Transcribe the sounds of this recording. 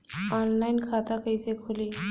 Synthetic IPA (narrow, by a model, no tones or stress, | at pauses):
ɔnlajnkʰat̪akəjsekʰoli